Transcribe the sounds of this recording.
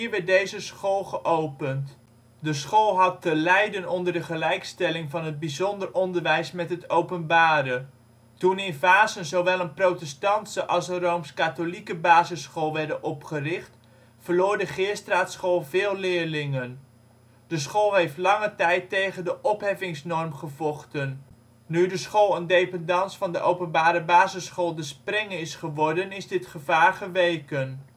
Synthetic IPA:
iːɹʋɛɹt̚dejzəsχoːlˠχəʔowpənt | dəsχolˠɦɑtːəlɛjdənɔndəɹdəχəlɛjkstɛlɪŋvɑnɦəd̚bizɔndərʔɔndəɹʋɛjsmɛtɦətowpənbaːɾə | tunɪnfaːzənzowʋɛlˠənprowtɛstɑntsəʔɑlˠsənrowmskatolikəbaːzəsχolˠʋɛɹdənʔɔpχərɪχt | fəɹloːɹdəχɪəstraːtsχoːlˠvɪːlˠlɪːɹlɪŋən | d̥əs̬χoːlˠɦejftlɑŋətɛjtːejχəndəʔɔpɦɛvɪŋsnɔrmχəvɔχtənː | ydəsχoːlˠəndejpəndɑnsfɑndəʔowpənbaːɾəbaːzəsχoːlˠdəsprɛŋəɪsχəʋɔɹdənɪzdɪtχəvaːɹχəʋejkən

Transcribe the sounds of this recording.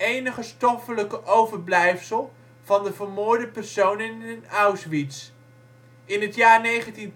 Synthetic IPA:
ejnəχəstɔfələkəʔowvəɹblɛjfsəlˠ | v̥ɑndəvəɹmoːɹdəpɛrsownɪnənawsʋits | ɪnɦətjaːɹnejχəntin

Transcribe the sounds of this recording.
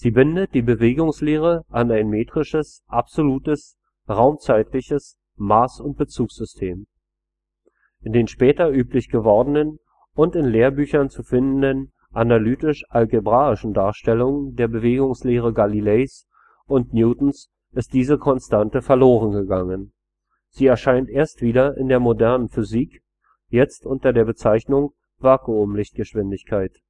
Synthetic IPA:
z̥iːbɪndət̚d̥iːbəveːɡʊŋsleːʁ̞əʔanaɪnmeːtʁ̥ɪʃəs | ʔapz̥oluːtəs | ʁaʊmt͡saɪtlɪçəs | maːsʊnt̚b̥ət͡suːksz̥ʏstʰeːm | ʔʔɪndeːnʃpɛːtɐʔyːplɪçɡ̥əvɔɐdən̩ən | ʊntɪnleːɐbyːçɐnt͡sufɪndn̩dən | ʔanalyːtɪʃʔalɡebʁaːɪʃn̩daːɐʃtɛlʊŋdeːɐbəveːɡʊŋsleːʁəɡalilɛs | ʔʊntnjuːtn̩s | ʔɪst̚d̥iːzəkʰɔnstʰantəfɛɐloːʁənɡəɡaŋən | z̥iːɛɐʃaɪntʔeːɐstv̥iːdɐʔɪ̰ndeːɐmodɛɐnənfʏziːk | jɛt͡stʔʊntɐdeːɐbət͡saɪçnʊŋ | vaɐkuʊmlɪçt̚ɡ̥əʃv̥ɪndɪçkʰaɪt

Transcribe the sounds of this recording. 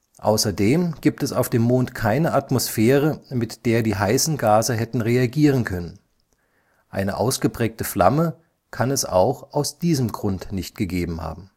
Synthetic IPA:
ʔa̰ʊsɐdeːmɡ̥iːp̚tɛsaʊfd̥eːmːoːntkʰaɪnəʔatmosfɛːʁəmɪtd̥eːɐdiːɦaɪsn̩ɡaːzɐɦɛtn̩ʁeaɡiːʁ̞ənkʰœnən | ʔa̰ɪnə̰ʔaʊsɡ̥əpʁ̥ɛːk̚təfla̰mə | kʰanɛsa̰ʊxʔaʊsd̥iːzəmɡʁʊntnɪçt̚ɡ̥əɡeːbm̩ha̰ːbm̩

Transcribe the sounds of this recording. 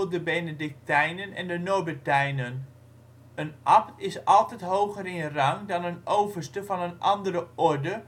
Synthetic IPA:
dəbenedɪk̚tɛjnənɛ̰ndənobətɛjnən | ənʔɑptɪsɑlˠtɛjtɦowχəɾɪnərɑŋdɑnənowvərstəvɑnənʔɑndəɾəʔɔɹdə

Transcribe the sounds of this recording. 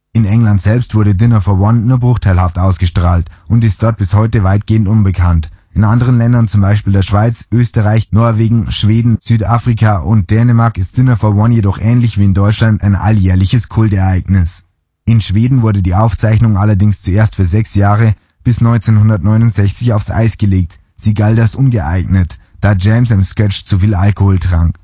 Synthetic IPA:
ʔɪnɛŋlantz̥ɛlpstv̥ʊɐɾədɪnɐfɔɐwɔnːuːɐbʁʊχtʰaɪlhaftʔaʊsɡ̥əʃtʁ̥aːltʔʊntɪst̚d̥ɔɐt̚b̥ɪshɔʏtəvaɪt̚ɡ̥eːəntʔʊnbəkʰantʔɪnʔandəʁ̞ənlɛndɐnt͡sʊmbaɪʃpiːldeːɐʃv̥aɪt͡sʔøːstəʁaɪçnɔɐveːɡŋ̩ʃv̥eːdn̩z̥yːtʔaːfʁ̥ikʰaʔʊnt̚d̥ɛːnəmaɐkɪst̚d̥ɪnɐfɔɐwɔnjedɔχʔɛːnlɪçv̥iːɪndɔʏt͡ʃlanta̰ɪnʔa̰ljɛːɐlɪçəskʰʊltɛɐʔaɪɡnɪs | ʔɪnʃv̥eːdn̩vʊɐdədiːʔaʊft͡saɪçnʊŋʔalɐdɪŋst͡sueːɐstfyːɐzɛksjaːʁə | b̥ɪsnɔʏnt͡seːnhʊndɐtnɔʏnʊntz̥ɛçt͡sɪçaʊfsʔa̰ɪsɡ̥əleːk̚t | z̥iːɡaltasʔʊnɡəʔa̰ɪɡnətd̥aːd͡ʒɛmsɪnskɛt͡ʃt͡sufiːlʔalkohoːltʁ̥aŋk

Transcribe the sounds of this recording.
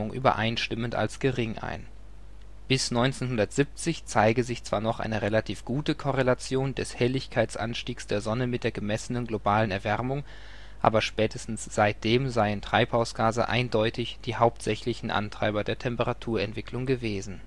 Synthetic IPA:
ʊŋʔy̰ːbɐ̰ʔa̰ɪnʃtɪmənta̰lsɡ̥əʁɪŋʔa̰ɪn | b̥ɪsnɔʏnt͡seːnɦʊndɐtz̥ɪp̚t͡sɪçt͡saɪɡəzɪçt͡sv̥aːɐnɔχʔa̰ɪnəʁelatʰiːfɡ̥uːtəkʰɔʁelat͡sjoːndɛshɛlɪçkʰaɪt͡sʔa̰nʃtiːksd̥eːɐzɔnəmɪt̚d̥eːɐɡəmɛsənənɡlobaːlənɛɐvɛʁmʊŋ | ʔa̰ːbɐʃpɛːtʰəstn̩sz̥aɪt̚d̥eːmzaɪəntʁ̥aɪphaʊsɡ̥aːzə̰ʔa̰ɪndɔʏtʰɪçd̥iːhaʊptz̥ɛçlɪçn̩ʔa̰ntʁ̥a̰ɪbɐdeːɐtʰɛmpəʁatʰuːɐɛntv̥ɪklʊŋɡəveːzn̩

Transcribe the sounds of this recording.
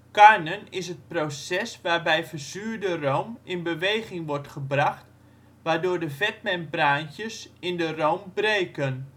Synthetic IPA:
kaɹnənɪsət̚prosɛsʋaːrbɛjfərzyːrdərowmɪnbəʋejχɪŋʋɔrtχəbraχt | ʋaːɹdʊːɹdəvɛt̚mɛnpraːntjəsɪndərowmbrejkən

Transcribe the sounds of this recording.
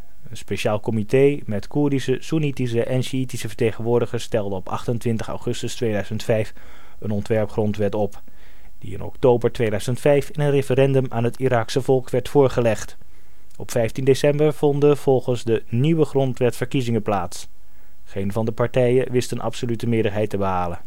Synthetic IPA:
ənspeʃaːlˠkɔmitejmɛtkuɹdisəsunitisəʔɛnʃiitisəvəɹtejχənʋʊːɹdəχəɹstɛlˠdəɔpɑ̰χtəntʋɪntəχɑ̰wχɵstəstʋejdœɥzəntfɛjf | ənɔntʋɛɹpχrɔntʋɛtɔp | d̥ḭɪ̰nɔ̰ktowbəɹtʋejdœɥz̥əntfɛjfɪnənrefəɾɛndɵmʔa̰ːnɦətiɾaːksəvɔlˠkʋɛɹtfʊːɹχəlɛχt | ɔpfɛjftindesɛmbəɹv̥ɔndəv̥ɔlˠχənzdəniʋəχrɔntʋɛtfəɹkizɪŋəplaːts | χejnvɑndəpɑɹtɛjəʋɪstənʔɑ̰psolytəmɪːɹdəɹɦɛjtəbəɦaːlən

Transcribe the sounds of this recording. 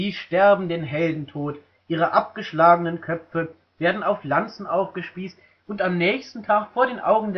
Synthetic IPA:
iːʃtɛɐbm̩deːnɦɛldn̩tʰoːt | ʔiːʁ̞əʔap̚ɡ̥əʃlaːɡənənkʰœpp͡fə | v̥eːɐdn̩aʊflant͡sn̩ʔaʊfɡ̥əʃpiːst | ʊntamnɛːçstn̩tʰaːkfoːɐɾeːnʔaʊɡŋ̩d

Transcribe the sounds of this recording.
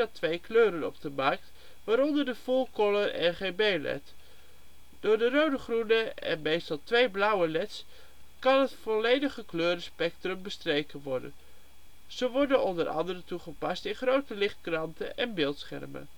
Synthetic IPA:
dɑtʋejkløːɾənɔ̰b̚dəmɑɹk̚t | ʋaːɾɔndəɹdəfulˠkɔlərɛ̰nχejnbejlɛ̰t | d̥ʊːɹdərowdəχrunəɛ̰nmejstɑlˠtʋejblʌwəlɛts | kɑnɦətfɔlejdəχəkløːɾəspɛk̚trɵmbəstrejkənʋɔɹdə̰n | z̥əʋɔɹdənɔndəɾʔɑ̰ndərəntuχəpɑstɪnχrowtəlɪχt̚krɑntə̰ʔɛnbɪːlˠtsχɛ̰rmə̰n

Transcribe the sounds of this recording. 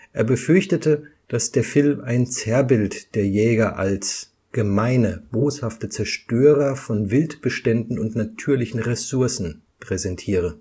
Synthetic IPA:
ʔeːɐbəfʏɐçtətəd̥asd̥eːɐfɪlmaɪnt͡sɛɐbɪltd̥eːɐjɛːɡɐʔals | ɡ̥əmaɪnəb̥oːshaftət͡sɛɐʃtøːʁɐfɔnvɪltb̥əʃtɛndn̩ʊntnatʰyːɐlɪçn̩ʁesʊɐsn̩ | pʁ̥ɛzɛntʰiːʁ̞ə

